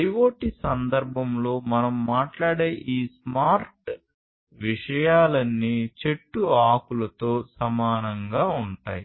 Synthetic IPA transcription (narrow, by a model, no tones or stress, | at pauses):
ɐjʋoːʈisɐnd̪ɐɾbʱɐmlo̞ːmɐnɐmːaːʈlaːɽeːʔiːsmaːɾʈ | ʋiʂɐjaːlɐnːit͡ʃe̞ʈːuaːkulɐt̪o̞ːsɐmaːnɐŋɡaːuɳʈaːji